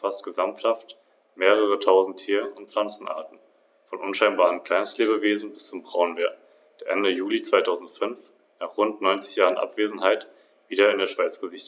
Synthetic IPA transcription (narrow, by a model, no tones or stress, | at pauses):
fastɡ̥əzamthaft | meːʁ̞əʁ̞ətʰaʊzn̩tʰːiːɐʊntp͡flant͡sn̩ʔa̰ɐtn̩ | fɔnʔʊnʃaɪnbaːʁəmkl̥aɪnstleːbəveːzn̩bɪst͡sʊmbʁaʊənveːɐ | d̥eːɐʔɛndəjuːlit͡sv̥aɪtʰaʊzn̩tfʏnf | naːχʁ̥ʊntnɔʏnt͡sɪ̥çjaːʁənʔa̰pv̥eːzn̩ɦaɪt | v̥iːdɐɪndeːɐʃv̥aɪt͡sɡ̥əzɪçt